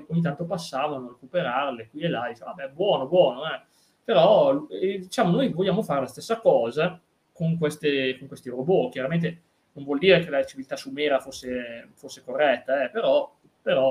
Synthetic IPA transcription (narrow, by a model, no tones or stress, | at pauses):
oɲːit̪ant̪opasːaːvanorekupeɾarlekwielad̪it͡ʃemabɛbwɔːnobwɔːnoɛ | peɾɔ | d̪it͡ʃaːmonojvoʎːaːmofaːɾelast̪esːakɔːza | koŋkwest̪ekoŋkwest̪iɾobok̟jaɾament̪̬e | noɱvwɔld̪iːɾekelat͡ʃivilt̪asumeːɾafosːefosːekorːɛt̪ːaɛpeɾɔ | peɾɔ